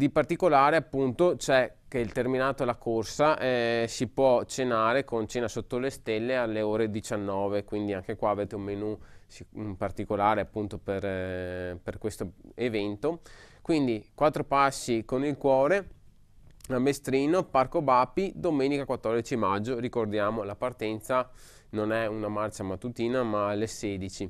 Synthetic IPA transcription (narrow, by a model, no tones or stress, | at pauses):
d̪ipart̪ikolaːɾeapːunt̪ot͡ʃɛkeilt̪erminaːt̪olakʰorsaʔɛsipwɔt͡ʃenaːɾekont͡ʃeːnasot̪ːolest̪elːealːeoːɾed̪it͡ʃanːɔːvekwind̪iaŋkekwaːveːt̪eummenusipart̪ikolaːɾeapːunt̪oper | perkwest̪oevɛnt̪okwind̪ikwat̪ːɾopasːikonilkwɔːɾe | amːest̪ɾiːnoparkobapːid̪omeːnikakwat̪ːɔrd̪it͡ʃimad͡ʒːoɾikord̪jaːmolapart̪ɛnt̪sa | nonɛunamart͡ʃamat̪ːut̪iːnamalesɛːd̪it͡ʃi